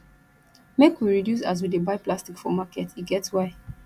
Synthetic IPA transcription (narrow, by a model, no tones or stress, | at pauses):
mekwiɹidjusa̰s̬widebaɪplastikfɔmakɛtʰiɡɛtswaɪ